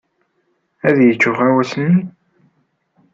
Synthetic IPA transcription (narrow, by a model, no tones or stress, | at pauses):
æðjət͡ʃːʊʁæwæsəni